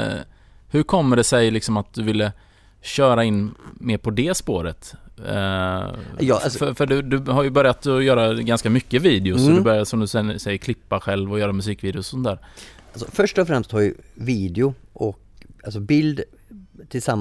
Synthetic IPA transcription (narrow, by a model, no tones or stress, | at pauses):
hɵɾkʰɔmːəɖɛsɛjlɪksɔmat̪̚d̪ɵvɪlːə | ɕœːɾaɪnːmeːɾpʰɔd̪ɛspoːɾət̪ | fœfœɖɵd̪ɵhajɵbœɾjat̪ɔjœːɾaɡanskamʏkːəviːd̪ɪʊsɔd̪ɵbœɾjasɔmd̪ɵsɛsɛjːəɾkʰlɪpːaɧɛlvɔjœːɾamɵsiːkviːd̪ɪʊsɔsɔnt̪ʰæːɾalsɔfœʂʈɔfɾɛmst̪ʰːɑːɡjəviːd̪ɪʊ | ʔɔk | als̬ɔbɪld̪ | t̪ʰɪlsam